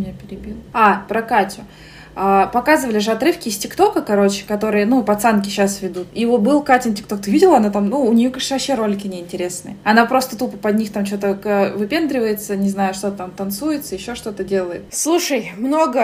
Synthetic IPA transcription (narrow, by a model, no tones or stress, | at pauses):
mʲɪnʲapʲɪɾʲɪbʲilˠapɾəkatʲʊ | apɐkazɨvəlʲɪʐɨɐt̪ɾɨfkʲɪɪsʲtʲɪkt̪o̞kəkɐɾo̞t͡ɕɪ̥kɐt̪o̞ɾɨjənupɐt̪sankʲɪɕasvʲɪd̪ut̪ivobɨlˠkatʲɪntʲɪkt̪o̞k̚t̪ɨvʲidʲɪlˠɐnat̪amnuːnʲɪjokavɐpɕːeɾo̞lʲɪkʲɪnʲɪɪnʲtʲɪɾʲe̞snɨ̰jəɐnapɾo̞st̪ət̪upəpɐd̪̚ʲnʲixt̪amt͡ɕot̪əkəvɨpʲe̞nd̪ɾʲɪvəjɪt̪sənʲɪznajʊʂt̪o̞t̪ət̪amt̪ɐnt̪sujɪt̪səjɪɕːo̞ʂt̪o̞t̪ədʲe̞lˠəjɪt̪slˠuʂəjmno̞ɡə